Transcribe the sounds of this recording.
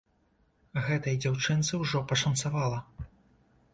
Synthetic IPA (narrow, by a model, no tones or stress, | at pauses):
ɣɛt̪ɐjd͡zʲawt͡ʂɨnt̪sɨwʐɔpɐʂɐnt̪savalˠɐ